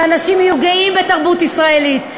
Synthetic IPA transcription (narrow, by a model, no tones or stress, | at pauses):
anaʃimjuɡaimbetaʁbutisʁae̞lit